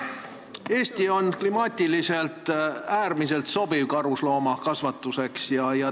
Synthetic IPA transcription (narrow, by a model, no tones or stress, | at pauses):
e̞ːst̪io̞nklimɑːt̪ʲːilise̞lt̪ˑæːrmise̞lt̪so̞b̥ivkɑɾuslo̞ːmɑkɑsvɑt̪ːˑuse̞ksjɑjɑ